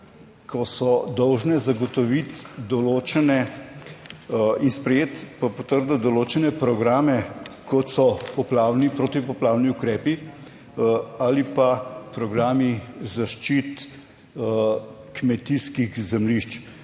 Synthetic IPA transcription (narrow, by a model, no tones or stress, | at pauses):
kʰɔsɔd̪ɔwʒnɛzaɡɔt̪ɔʋit̪d̪ɔloːt͡ʃɛnɛ | inspɾɛjeːt̪papot̪əɾd̪ad̪ɔloːt͡ʃɛnɛpɾɔɡɾaːmɛkɔt̪sɔpɔplaːwnipɾot̪ipɔplaːwniukɾɛːpi | alipapɾɔɡɾaːmizaʃt͡ʃit̪ | kmɛt̪iskiɣzɛmliʃt͡ʃ